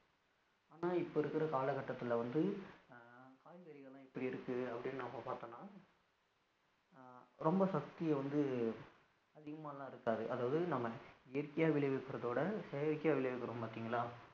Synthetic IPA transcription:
aːnaːɪpːoɪɾɯkːɪɾɐkaːlɐkɐʈːɐt̪ːɪlʋɐnd̪ɯ | kaːjʋɐɾɪɣɐlãːɪpːɐɽiɪɾɯkːɯɐpːɐɽɪnːɯnɐmːɐpaːɾt̪ɐnːaː | ɾɔmbɐsɐk̚t̪ɪjɐʋɐnd̪ɯ | ɐðɪɣɐmaːlːãːɪɾɯkːaːðɯʔɐðaːʋɐðɯɯnɐmːɐɪjɐɾkːɐjaːʋɪɭɐɪʋɛkːɯɾɐðoːɽɐsɛjɐɾkːɪjaːʋɪɭɐʋɛkːɐɾõːmpaːɾt̪iːŋɡɐlaː

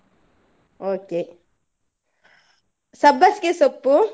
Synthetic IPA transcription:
oːke | sɐbɐskesopːu

